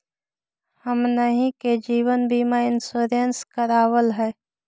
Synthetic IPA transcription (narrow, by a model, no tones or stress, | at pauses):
həmnəɦĩked͡ʒiːwənbʱimaɪnsoɾənskəɾaːwəlɦɛː